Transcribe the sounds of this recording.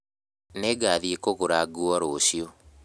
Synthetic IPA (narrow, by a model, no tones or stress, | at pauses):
neɡaðiekoɣoɾaɡuɔɾoɕjo